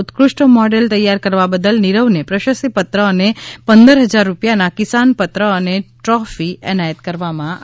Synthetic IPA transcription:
ʊt̪kɾʊʃʈəmɔɖelt̪əjːaɾkəɾʋabəd̪əlnɪɾəʋnepɾəʃəsipət̪ɾəːnepənd̪əɾɦəd͡ʒaɾːupjanakɪsanpət̪ɾəːneʈɾɔfiɛ̰najət̪kəɾʋamã

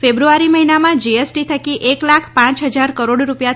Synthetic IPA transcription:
febɾuaɾiməɦinamãd͡ʒiesʈit̪ʰəkiʔeklakʰpãt͡ʃɦəd͡ʒaɾkəɾoɽɾupja

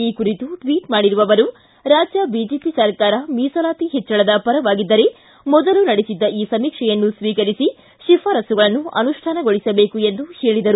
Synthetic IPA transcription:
iːkuɾit̪uʈʋiːʈmaːɽiɾuʋɐʋɐɾu | ɾaːd͡ʒjɐbiːd͡ʒeːpisɐɾkaːɾɐmiːsɐlaːt̪iɦɛt͡ʃːɐɭɐd̪ɐpɐɾɐʋaːɡid̪ːɐɾe̞ | mɔd̪ɐlunɐɽesid̪ːɐʔiːsɐmiːkʂɛjɐnːusʋiːkɐɾisi | ʃipʰaːɾɐsuɡɐɭɐnːuɐ̰nuʂʈʰaːnɐɡo̞ɭisɐbe̞ːkue̞nd̪uhe̞ːɭid̪ɐɾu

